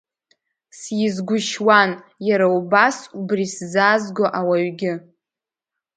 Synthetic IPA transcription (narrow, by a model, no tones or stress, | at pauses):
sjɪzɡʷʊʃwan | jaɾaubasubriszazɡʷoʔawaɥɡʲɪ